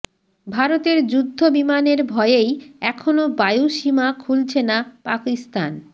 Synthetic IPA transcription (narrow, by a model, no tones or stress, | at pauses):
bʱaɾot̪eɾd͡ʑud̪ʱːobimaneɾbʱɔeejɛkʰonobajuʃimakʰult͡ɕʰenapakist̪an